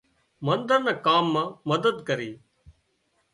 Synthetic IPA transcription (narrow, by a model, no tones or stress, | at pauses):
mənd̪əɾnɛːkaːmːãːməd̪əd̪kəɾiː